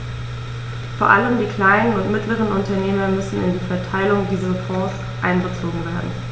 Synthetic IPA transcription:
foːɐʔa̰ləmdiːkl̥aɪnənʊntmɪtləʁ̞ənʊntɐneːmɐmʏsn̩ɪ̰ndiːfɛɐtʰaɪlʊŋdiːzɐfɔ̃ːs | ʔa̰ɪnɡət͡soːɡŋ̩veːɐdn̩

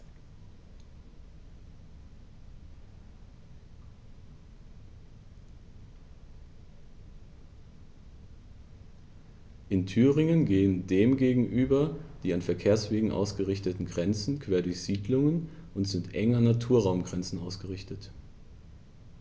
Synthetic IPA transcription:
ʔɪntʰyːʁɪŋənɡeːəndeːmɡeːɡŋ̩ʔyːbɐd̥iːanfɛɐkʰeːɐsv̥eːɡŋ̩ʔa̰ʊsɡ̥əʁɪçtətn̩ɡʁɛnt͡sn̩kʰv̥eːɐdʊɐçz̥iːdlʊŋənʔʊntz̥ɪntʔɛŋɐnatʰuːɐʁaʊmɡʁɛnt͡sn̩ʔaʊsɡ̥əʁɪçtət

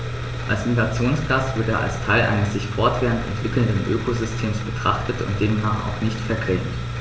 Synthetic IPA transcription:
ʔalsɪnɡat͡sjoːnsɡ̥astv̥ɪɐteːɐʔa̰lstʰaɪlʔa̰ɪnəsz̥ɪçfɔɐtv̥eːʁəntɛ̰ntv̥ɪkl̩ndənʔø̰ːkozʏstʰeːmsb̥ətʁ̥aχtətʊ̰nt̚d̥eːmnaːχa̰ʊxnɪçtfɛɐkʁ̥ɛŋt

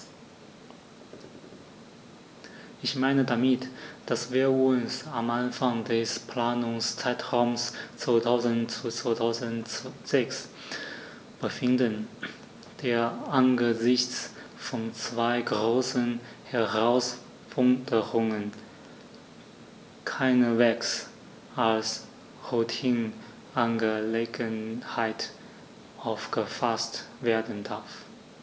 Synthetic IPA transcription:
ʔɪçmaɪnədamɪtd̥asv̥iːɐʊnsamʔanfaŋdɛspʰl̥aːnʊŋst͡saɪtʁaʊmst͡sv̥oːtʰaʊzənt͡sut͡sv̥aːtʰaʊzz̥ɛks | b̥əfɪndən | d̥eːɐʔanɡəzɪçt͡sfɔnt͡sv̥aɪɡʁoːsən | hɛɐʁaʊs | fʊŋtəʁʊŋən | kʰaɪnəvɛks | ʔals | ʁoːtʰhɪn | ʔanɡəleːɡənhaɪt | ʔaʊfɡ̥əfastveːɐdn̩daɐf

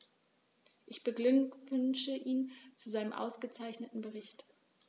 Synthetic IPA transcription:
ʔɪçb̥əɡlʏʏnʃəʔiːnt͡suzaɪnəmʔa̰ʊsɡ̥ət͡saɪçnətn̩bəʁɪçt

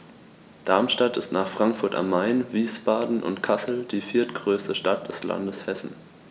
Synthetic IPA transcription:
d̥aɐmʃtatɪstnaːχfʁ̥aŋkfʊɐta̰mːaɪnviːsb̥aːdn̩ʔʊ̰ntkʰasl̩d̥iːfiːɐtɡ̥ʁøːstəʃtat̚d̥ɛsla̰ndəshɛsn̩

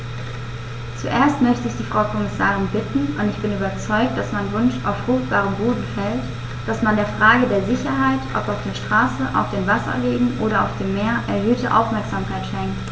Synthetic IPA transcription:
t͡suʔeːɐstmœçtəɪçd̥iːfʁ̥aʊkʰɔmɪsaːʁɪnbɪtn̩ʔʊntɪçb̥ɪnyːbɐt͡sɔʏk̚t̚d̥asmanvʊnʃa̰ʊfʁ̥ʊχt̚b̥aːʁəmboːdn̩fɛlt | d̥asmandeːɐfʁ̥aːɡədeːɐzɪçɐɦaɪtʔɔ̰paʊfd̥eːɐʃtʁ̥aːsəʔa̰ʊfd̥eːmvasɐ̰leːɡŋ̩ʔoːɾɐa̰ʊfd̥eːmːeːɐʔɛɐɦøːtəʔa̰ʊfmɛɐkz̥aːmkʰaɪtʃɛŋkt

